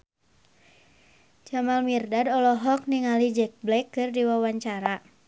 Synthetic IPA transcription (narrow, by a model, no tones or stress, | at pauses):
d͡ʒamalmirdadɔlɔɦɔk̚niŋalid͡ʒɛk̚blɛkːɨrdiwawaɲt͡ʃaɾa